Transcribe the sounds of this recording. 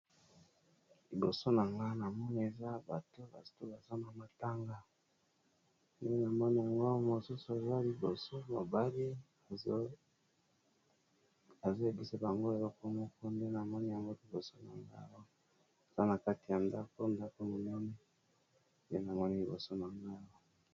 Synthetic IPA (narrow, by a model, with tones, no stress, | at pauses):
li˨bo˨so˦na˨ŋɡa˦na˨mɔ˦ni˦e˨za˦ba˨to˦ba̰˨sto˦ba˨za˦na˨ma˨ta˦ŋɡa˨ | nde˦na˨mɔ˦ni˦ja˨ŋɡo˦mo˨su˦su˨˦a˨za˦li˨bo˨so˦mo˨ba˦li˦ | a˨z | a˨zo˦e˨bi˦sa˦ba˨ŋɡo˦e˨lɔ˦ko˦mo˦ko˦nde˦na˨mɔ˦ni˦ja˨ŋɡo˦li˨bo˨so˦na˨ŋɡa˦˨wo˦ | e˨z̥a˦na˨ka˦ti˨ja˨nda˦ko˦nda˦ko˦mo˨nɛ˦nɛ˦ | nde˦na˨mɔ˦ni˦li˨bo˨so˦na˨ŋɡa˦o˦